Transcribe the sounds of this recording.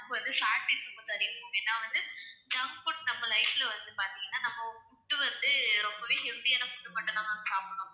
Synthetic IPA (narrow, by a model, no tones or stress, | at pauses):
pːɐʋɐnd̪ɯsaːʈːɪɾkːɯkːõsɐɾɪjɐoɛnːaːʋɐnd̪ɯd͡ʒɐspoʈnɐmːɐlɐɪfɪlɐʋɐnd̪ɯpaːɾt̪iŋɡɐnːaːnɐmːɐpʊʈːɯʋɐnd̪ɯɾɔmbɐʋeːɦɛld̪ijaːnɐpʊʈːɯpɐʈːɐt̪ãːt̪ɐnd̪ɯsaːpɐɽʊ̃